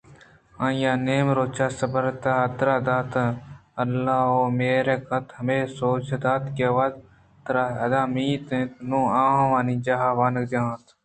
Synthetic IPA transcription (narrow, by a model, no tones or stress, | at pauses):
ãːjaːneːmɾoːt͡ʃʰaːsəbəɾt̪aːəd̪ɾaːd̪aːt̪əəlːaːoːmeːɾeːkɐt̪ɦɐmeːsoːt͡ʃʰd̪aːt̪keʋaːd | t̪ɾaːɐd̪aːmiːt̪ẽt̪nõːãːʋaːniːd͡ʒaɦaːʋaːnkd͡ʒãːt̪ʰ